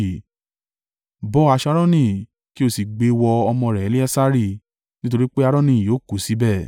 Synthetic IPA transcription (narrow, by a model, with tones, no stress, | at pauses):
bɔ˦a˧ʃa˧ɾɔ̃˦nĩ˦˨ | ki˦o˦˨si˨ɡ͡be˧wɔ˧ɔ˧mɔ̃˧˨ɾɛ˨˦li˦ɛ˦sa˦ɾi˦˨ | nĩ˦t̬o˧ɾi˦k͡pe˦a˧ɾɔ̃˦nĩ˦˨jo˨˦˨ko˨˦si˨˦bɛ˦˨